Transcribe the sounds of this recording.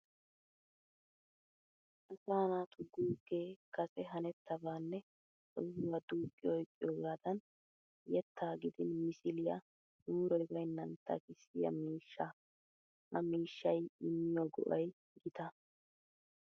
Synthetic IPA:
ʔɐsaːnaːt̪ʰʊɡuːkːeːkɐsɛɦɐnɛt̪ːɐbaːnːɛ | t͡sʼɔhʊwad̪uːkʼːɪjɔjkʼːɪjoːɡaːd̪ɐn | jɛt̪ʰːaːɡɪd̪ɪnmɪsɪlɪjɐ̰ | d̪uːɾɔjbɐjnːɐnt̪ːɐ̰kɪsɪjɐ̰miːʃːɐ | hɐmiːʃːɐjɪmːɪjoɡɔ̰ʔɐj | ɡɪt̪ɐ

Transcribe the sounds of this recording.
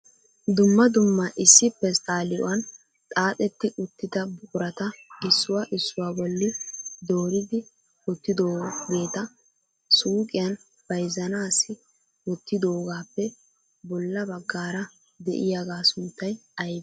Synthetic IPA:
d̪ʊmːɐd̪ʊmːɐʔɪsːɪpːɛst̪ʼaːlɪʔɔ̰wɐn | t̪ʼaːt̪ʼɛt̪ːɪʔʊt̪ːɪd̪ɐbʊkʼʊɾɐt̪ɐɪsːʊwaʔɪsːʊwaːbɔlːɪd̪oːɾɪd̪ɪ | wʊt̪ːɪd̪oːɡe̞ːt̪ɐ | suːkʼɪjɐn | b̥ɐjzɐnaːsɪ | wɔt̪ːɪd̪oːɡaːpːɛ | bɔlːɐbɐɡːaːɾɐ | d̪ɛ̰ʔɪjaɡaːsʊnt̪ːɐjɐjd̪

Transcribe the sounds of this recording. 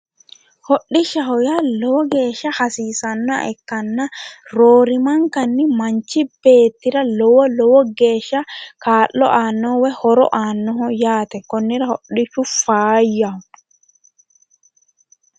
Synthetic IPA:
hɔɗːɪʃɐhɔjalɔwɔɡeːʃɐhasiːsɐnːa̰ʔɛ̰kːɐnːaɾoːɾɪmɐŋkɐnːɪmɐɲt͡ʃib̥eːt̪ːɪɾɐlɔwɔlɔwɔɡeːʃɐkaːlːɔ̰ʔaːnːɔwɛhɔɾɔ̰ʔaːnːɔɦɔjaːt̪ɛkɔnːɪɾɐhɔɗːiʃufaːjːaɔ

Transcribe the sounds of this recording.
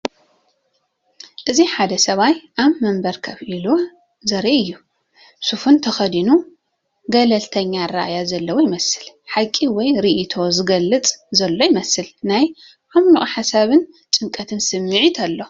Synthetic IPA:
ʔɨziħad̪ɐsɐβajʔaβmɐmbɐɾkʰɐβʔilo | zɐɾiɨjːu | sufunt̪ʰɐxɐd̪inu | ɡɐlɐlt̪ʰɐɲːaɾa̰ʔajazɐlːɐwjɪmɐsɨl | ħakʼːiwɔjɾiʔit̪ʰo̞zɨɡɐlːɨt͡sʼzɐlːo̞jɪmɐsɨlnaj | ʔamnuʔʼħasaβɨn | t͡sʼɨŋkʼɐt̪ʰɨnsɨmːɨʕit̪ʰɐlːo̞

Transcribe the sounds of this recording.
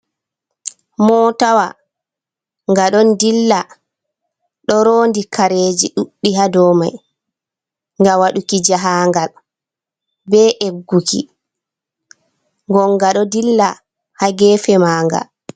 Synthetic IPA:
mɔːtawa | ŋɡaɗɔndilːa | ɗɔɾoːndikaɾeːd͡ʒiɗuɗːiɦadɔːma̰j | ŋɡawaɗukid͡ʒaɦaŋɡal | bɛʔeɡːukḭ | ŋɡɔŋɡaɗɔdilːa | haɡɛːfɛmaːŋɡa̰

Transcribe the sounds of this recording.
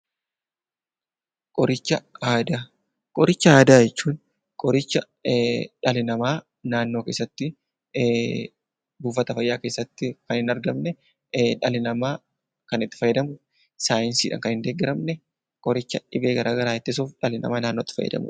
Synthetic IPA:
kʼɔɾɪt͡ʃːɐhaːd̪aː | kʼɔɾɪt͡ʃːɐhaːd̪aːjɛt͡ʃːuːn | kʼɔɾɪt͡ʃːɐ | ᶑɐlɪnɐmaː | naːnːoːke̞ːsːɐt̪ːɪ | buːfɐt̪ɐfɐjːaːke̞ːsːɐt̪ːɪkɐnhɪnɐɾɡɐmnɛ | ᶑɐlɪnɐmaː | kɐnɪt̪ːɪ̥fɐjːɐd̪ɐmʊ | saːjɪnsḭːᶑɐ̰ŋkɐnhɪnd̪eːɡɪɾɐmnɛ | kʼɔɾɪt͡ʃːɐɪbeːɡɐɾʔaːɡɐɾaːɛt̪ːɪs̬uːfᶑɐlɪnɐ̰maːnaːnːoːt̪ːɪ̥fɐ̰jːɐ̰d̪ɐ̰mʊ̰

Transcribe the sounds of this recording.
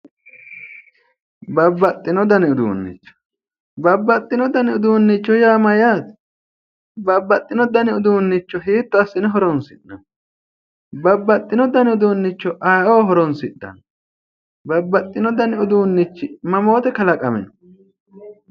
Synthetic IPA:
bɐbːɐt̪ʼːɪnɔd̪ɐnɪʊd̪ṵːnːɪ̰t͡ʃːɔ̥ | bɐbːɐt̪ʼːɪnɔd̪ɐnɪʊd̪uːnːɪt͡ʃːɔjaːmɐjaːt̪ | bɐbːɐt̪ʼːɪnɔd̪ɐnɪʊd̪uːnːɪt͡ʃːɔɦiːt̪ːɔɐsːɪnɛɦɔɾɔnsɪɗːɐ̰n | bɐbːɐt̪ʼːɪnɔd̪ɐnɪʊd̪uːnːɪt͡ʃːɔʔɐjʔoːɦɔɾɔnsɪᶑːɐ̰n | bɐbːɐt̪ʼːɪnɔd̪ɐnɪʊd̪uːnːɪt͡ʃːɪmɐmo̞ːt̪ɛkɐlɐkʼɐmɛnɔ

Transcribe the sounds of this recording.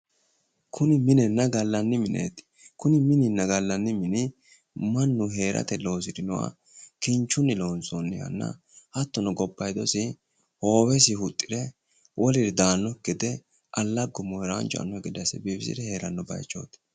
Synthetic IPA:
kʰʊnɪmɪnɛnːɐɡɐlːɐnːɪmɪnʔḛːt̪ | kʊnɪmɪnɪnːɐɡɐlːɐnːɪmɪnɪ | mɐnːʊɦe̞ːɾʔɐ̰t̪ɛlo̞ːs̬ɪd̪ɪnɔwa̰ | kɪnt͡ʃːʊnːɪlo̞ːnsonːɪjɐ̰nːɐ̰ | hɐt̪ːɔnɔɡɔbːɐjd̪ɔsɪ | ho̞ːwɛs̬ɪhʊt̪ʼːɪ̥d̪ɛ | wʔɔlɪɾɪd̪aːnːɔkːɪd̪ɛ | ʔɐlːɐɡʊmɔjɾaːnt͡ʃʼɔɐ̰nːɔɛɡɪd̪sɛ̰biːbɪsɪ̰d̪ɛhe̞ːɾɐnːɔbɐ̰jt͡ʃːo̰ːt̪

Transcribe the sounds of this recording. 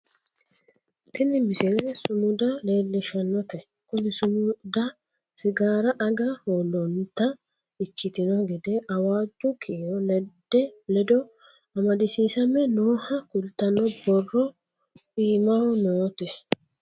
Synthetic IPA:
t̪ɪnɪmɪsɛlɛsʊmʊd̪ɐle̞ːlːɪʃɐnːɔt̪ɛ | kʊnɪsʊmʊd̪ɐ | sɪɡaːɾɐʔɐɡɐholɔnt̪ɐ | ɪkʰːɪt̪ɪnɔɡɛd̪ɛɐwaːd͡ʒʊkʰiːjɔnɛd̪ːɛlɛd̪ɔ | ɐmɐd̪ɪsiːsɐmɛnoːhɐkʊlt̪ɐnɔbɔrːɔ | iːmawʊnoːt̪ɛ

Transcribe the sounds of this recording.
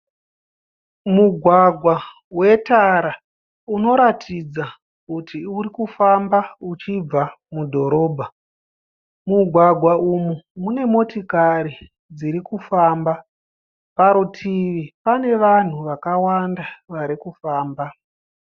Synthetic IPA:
muɡʱwaɡʱwa | we̞taɾa | uno̞ɾatʰid͡za | kutiuɾikufambaut͡ʃib͡va | mudʱo̞ɾo̞ːbʱa | muɡʱwaɡʱwaumumune̞mo̞tikaɾi | d͡ziɾikufaːmba | paɾutʰiʋipane̞ʋan̤uʋakawandaʋaɾikufaːmba

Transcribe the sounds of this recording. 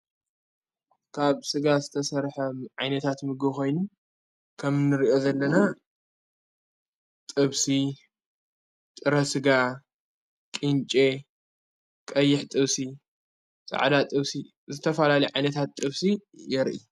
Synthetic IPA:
kʰaβsɨɡazɨt̪ʰɐsɐɾħɐʕajnɐt̪ʰat̪mɨɡɨko̞jnu | kʰɐmnɨɾiʔo̞zɐlːɐna | t̪ʼɨβsi | t̪ʼɨɾɐsɨɡa | kʼɨnt͡ʃʼe̞ | kʼɐjːɪħt̪ʼɨβsi | t͡sʼa̰ʕd̪at̪ʼɨβsi | zɨt̪ʰɐfɐlalɐjʕajnɐt̪ʰat̪ːʼɨβsijɛɾʔḭ

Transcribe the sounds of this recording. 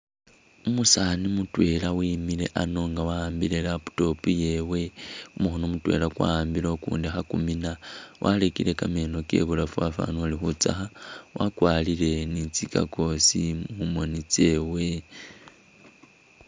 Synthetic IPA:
umusanimutwe̞lawiːmile̞ʔano̞ŋɡawaambiɾelapu̥to̞pujewe̞umuxonomutwe̞̰ːlakwa̰ambilokṵːndixakuminawʔalekile̞kameno̞ke̞̰βulafuafa̰nualixut͡saxawʔa̰kwaːlile̞nit͡sika̰ko̞simumonit͡se̞we̞

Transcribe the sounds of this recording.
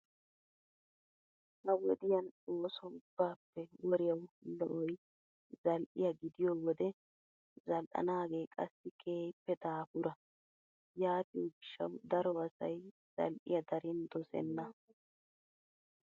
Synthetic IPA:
hɐwɔd̪ɪjɐnoːsɔʊb̥ːaːpːɛwɔɾɪjɐwlɔ̰ʔɔj | zɐlʔɪjɐɡɪd̪ɪjowɔd̪ɛ | zɐlʔɐ̰naːɡeːkʼɐsːɪkʰeːjɪpːɛd̪aːfʊɾɐ | jaːt̪ɪjɔɡɪʃːɐ̰wd̪ɐɾɔɐsɐ̰j | z̥ɐ̰lʔɪjɐd̪ɐɾɪnd̪ɔsɛ̰nːɐ

